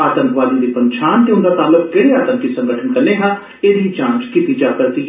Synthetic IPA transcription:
aːt̪əmpʋaːd̪iːd̪iːpənt͡ʃʰaːnt̪eːʊnd̪aːt̪aːlʊkkeːɽeːaːt̪əmpkiːsə̃ŋɡəʈʰənkəɾneːɦãː | ed̪iːt͡ʃãːt͡ʃkit̪iːd͡ʒaːpəsiː

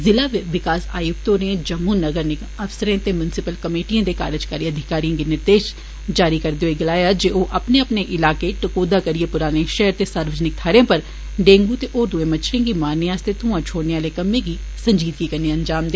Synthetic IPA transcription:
zɪlaːʋɪkaːsaːjuk̚t̪õːnẽd͡ʒɐmːuːnəɡəɾne | ɐfsəɾẽːt̪emjʊnɪsɪpəlkəmeːʈijãːd̪eka̰ːɾəd͡ʒkaːɾiəd̪ʱɪkaːɾijãːɡinɪɾd̪eːʃ | d͡ʒaːɾikɐɾd̪eoeɡɪlaːjaːd͡ʒeːoːʔɐpneɐpneʔɪlaːkeʈɐkoːd̪aːkəɾiepʊɾaːneʃɛɦəɾt̪esaːɾʋəd͡ʒnɪk̚t̪ʰaːɾẽpəɾ | ɖẽːŋɡut̪eʔoːɾd̪uẽːmət͡ʃʰɾẽːɡimaːnːeaːst̪et̪ʊãːt͡ʃʰoːɽneaːlekɐmẽːɡi | sə̃ɲd͡ʒiːd̪ɡikəɾneənd͡ʒaːmd̪eː

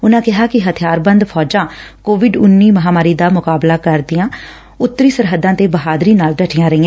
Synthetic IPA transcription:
ʊnãːkɪɦaːkɪɦət̪ʰɪjaːɾbənd̪pʰɔːd͡ʒãːkoːʋɪɖʊnːiːməɦaːmaːɾiːd̪aːmʊkaːblaːkəɾd̪ɪjãː | ʊt̪ːəɾiːsəɾɦəd̪ãːt̪eːbəɦaːd̪ɾiːnaːlɖəʈʰɪjãːɾəɪãː

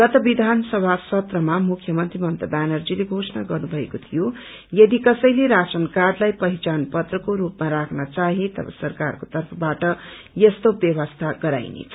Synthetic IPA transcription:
ɡʌt̪ʌbid̪ʱansʌbʱasʌt̪rʌmamukʰjʌmʌnt̪rimʌnt̪ʌd̪anʌrd͡zileɡʱosʌnaɡʌrnubʱʌekot̪ʰijo | jʌd̪ikʌsʌjleɾasʌnkarlajpʌɦit͡sanpʌt̪rʌkoɾupmaɾakʰnʌt͡saɦit̪ʌ̰bʌ̰sʌrkarkot̪ʌrpʰʌbaʈʌ | jʌst̪objʌβʌst̪ʰaɡʌɾa̰jnḛt͡sʰʌ

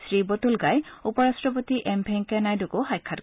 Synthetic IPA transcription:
sɹibɔt̪ulɡajupɔɹastɹɔp̬ɔt̪iʔɛmbʰʱɛŋkɛnajdukoxajkʰːat

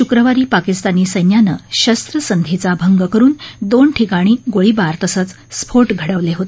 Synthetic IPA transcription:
ɕukɾəʋaɾiːpakist̪aniːsəjnjanəɕəst̪ɾəsənd̪ʱet͡sabʱəŋɡəkəɾuːnd̪onʈʰikaɽ̃iːɡoɭiːbaɾt̪əsət͡s | spʰoɾʈɡʱəɽəʋleɦot̪ee

